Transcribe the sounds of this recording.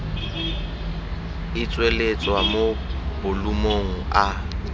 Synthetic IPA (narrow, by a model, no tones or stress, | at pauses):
ɪt͡sʼwelet͡sʼwamobʊlumoŋ̩a